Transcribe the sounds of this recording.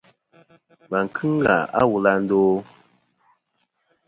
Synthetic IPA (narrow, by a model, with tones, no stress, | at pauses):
ba˨ŋ̩˨kʰɨ˦ŋ˦ɡa̰˨a̰˦wu˨la˦n̩˦doː˦